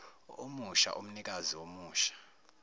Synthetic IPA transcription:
omuʃa̰ʔom̩nik̬ʼaziwomuːʃḁ

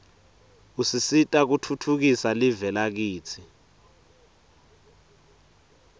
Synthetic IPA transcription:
usisitʼak̬utʰutʰuk̬isalivɛlak̬iːt͡sʰi

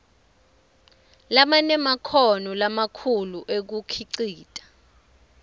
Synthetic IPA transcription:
lamanɛmakʰɔnɔlamakʰuluʔek̬ukʰiǀiːtʼḁ

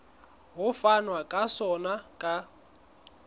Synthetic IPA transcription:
ɦʊfanwakʼasɔnakʼa

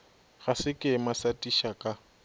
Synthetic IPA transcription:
ɣasɪkʼɪmasatʼiʃakʼa

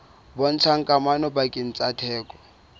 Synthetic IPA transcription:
bɔn̩t͡sʰaŋ̩kʼamanɔbakʼɪn̩t͡sʼatʰɛːkʼɔ̥

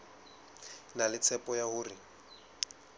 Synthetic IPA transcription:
nalɪt͡sʰɛpɔjahʊːrɪ

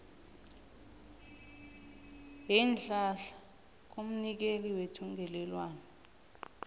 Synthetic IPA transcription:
jɛnd͡ɮʱaɬḁ | k̬um̩nik̬eliwetʰuŋɡʱɛlɛlwaːnɛ

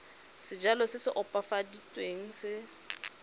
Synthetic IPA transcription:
sɪd͡ʒalɔsɪsɪʔʊpʼafaditʼweŋ̩sɪ

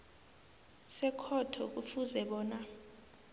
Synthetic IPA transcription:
sɛkʰɔtʰɔk̬ufuzɛɓɔːna

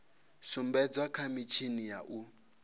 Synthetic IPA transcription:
sumbɛd͡zwakʰamit͡ʃʰinija̰ʔu

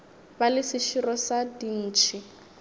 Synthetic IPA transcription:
balɪsiʃirɔsadin̩ːt͡ʃʰi

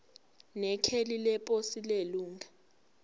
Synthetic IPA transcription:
nɛkʰelilɛpʼosileluːŋɡa

